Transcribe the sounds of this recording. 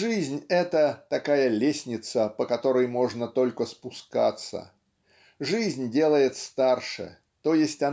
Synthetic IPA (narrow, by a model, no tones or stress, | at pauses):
ʐɨzʲnʲɛt̪ət̪ɐkajəlʲesʲnʲɪt̪səpəkɐt̪o̞ɾəjmo̞ʐnət̪o̞lʲkəspʊska̰t̪sə̰ | ʐɨzʲnʲdʲe̞lˠəjɪt̪st̪arʂɨ̰ | t̪o̞jɪsʲtʲɐ